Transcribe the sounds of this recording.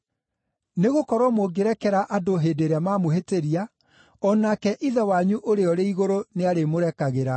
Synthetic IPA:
neɣokɔɾwɔmoɡeɾɛkɛɾaʔadoɦedeɾeamaːmoɦeteɾia | ɔnakɛʔiðɛwaɲuʔoɾeɔɾeiɣoɾoneaɾemoɾɛkaɣeɾa

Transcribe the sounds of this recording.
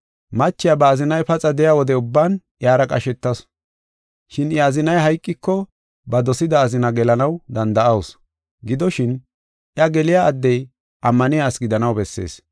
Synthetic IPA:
mɐt͡ʃːɪjabɐːzɪnɐjpɐt͡sʼɐd̪ɛjawɔd̪ɛʊbːan | ʔjaːɾɐkʼɐʃɛt̪ːɐs | ʃɪnɛɐzɪnɐjɦɐjkʼːɪkːɔ | bɐd̪ɔsɪd̪ɐːzɪnɐɡɛlɐnɐwd̪ɐnd̪ɐʔɐws | ɡɪd̪ɔʃɪn | ʔjɐɡɛlɪjaːd̪ːɛj | ʔɐmːɐnɪjaːsɡɪd̪ɐnɐwbɛsːe̞̰ːs

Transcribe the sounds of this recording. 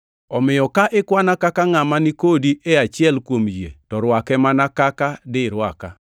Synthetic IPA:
ɔmɪjɔkaʔɪkwanakakaŋamanɪkodiʔɛat͡ʃɪɛlkwomd͡ʒḛtɔɾwakɛmanakakadɪɾwaka

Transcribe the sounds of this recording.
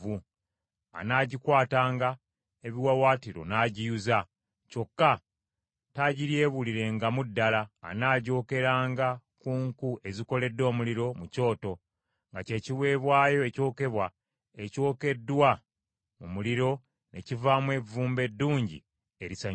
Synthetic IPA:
u | a̰naːɟikwaːtaːŋɡa | eβiwawaːtiɾo̞̰naɟijuza | co̞kːa | taːɟiɾje̞ːβuliɾe̞ŋɡamudːala̰ːnaːɟo̞ːke̞ɾaːŋɡakuːŋkue̞ziko̞le̞dːo̞ːmuliɾo̞muco̞ːto̞ | ŋɡace̞ːciwe̞ːβwaːjo̞eco̞ːke̞βwa | e̞co̞ːke̞dːwa | mumuliɾo̞ | ne̞̰civamwe̞vuːmbe̞dːuːɲɟḭ | e̞ɾisa

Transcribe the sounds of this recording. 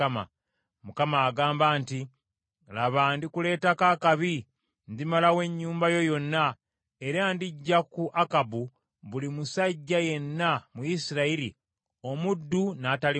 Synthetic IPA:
ama̰ | mukamaːɡaːmbaːnti | laβandikule̞ːtakaːkaβi | ndimalawe̞ɲːuːmbajo̞jo̞nːa | e̞ɾaːndiɟːakuʔakabu | βulimusaɟːaje̞nːamujisiɾaiɾḭ | o̞mudːunaːtali

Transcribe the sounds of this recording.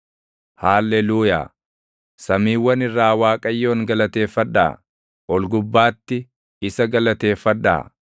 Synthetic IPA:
haːlːɛluːja̰ː | sɐmiːwːɐnɪrːaːwaːkʼɐjːo̞ːŋɡɐlɐt̪e̞ːfɐᶑːa̰ː | ʔɔlɡʊbːaːt̪ːɪ | ɪsɐɡɐlɐt̪e̞ːfːɐᶑa̰ː

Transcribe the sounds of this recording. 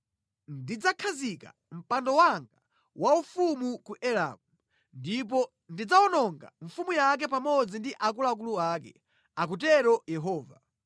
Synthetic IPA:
ndid͡zakʰazika̰ | m̩pandɔwaŋɡa | waufumukuʔɛla̰mu | ndip̬ɔ | ndid͡zaɔnɔŋɡa̰ɱ̩fumujak̬ɛpamɔd͡zindiʔak̬ulak̬uluakɛ̰ | ak̬ut̬ɛɾɔjɛɦɔːva̰

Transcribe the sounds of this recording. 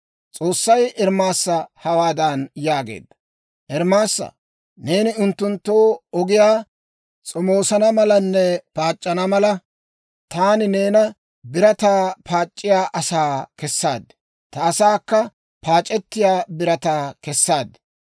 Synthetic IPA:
t͡sʼo̞ːsːɐjɛɾmaːsːɐhɐwaːd̪ɐnjaːɡḛːd̪ːɐ | ʔɛɾmaːsːɐ̰ | ne̞ːnɪʊnt̪ːʊnt̪ːoːɔɡɪjaː | t͡sʼɔmoːsɐnɐmɐlɐnːɛpaːt͡ʃʼːɐnɐmɐlɐ | t̪aːnɪne̞ːnɐ | bɪɾɐt̪aːpʰaːt͡ʃʼːɪjaːʔɐsaːkɛsːaːd̪ːɛ̥ | t̪ɐːsaːkːɐ | paːt͡ʃʼɛt̪ːɪjaːbɪɾɐt̪aːkɛsːaːd̪ɪ̥

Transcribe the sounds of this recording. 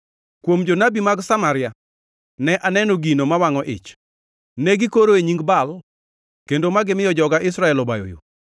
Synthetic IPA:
kwomd͡ʒonabimaɡsamaɾɪja | nɛʔanɛnoɡinomawaŋɔʔɪ̰t͡ʃ | nɛɡɪkoɾoeɲiŋɡbal | kendomaɡɪmɪjɔd͡ʒɔɡaʔɪsɾaɛlɔba̰jo̰jo̰

